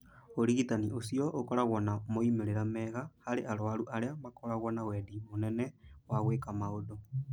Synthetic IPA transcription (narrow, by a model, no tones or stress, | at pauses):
oɾiɣitaniʔosijɔʔokɔɾaɣwɔnamoimeɾeɾamɛːɣahaɾeʔaɾwaɾuʔaɾeamakɔɾaɣwɔnawɛːdimonɛnɛwaɣweːkamaodo